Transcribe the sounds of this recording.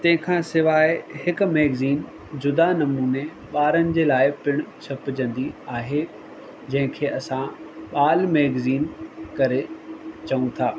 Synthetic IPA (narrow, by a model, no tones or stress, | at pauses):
t̪ɐ̃ɦɪ̃kʰãːsɪʋaːɪɦɪkʊ̆meːɡziːn | d͡ʑʊd̪anɐmuːne | ɓaːɾənɪ̆d͡ʑeːlaːɪpɪɽ̃t͡ɕʰɐpd͡ʑɐ̃nd̪iaːɦe | d͡ʑɐ̃ɦɪ̃kʰeːʔɐsãɓaːlmeːɡziːnkɐɾet͡ɕɐũt̪ʰaː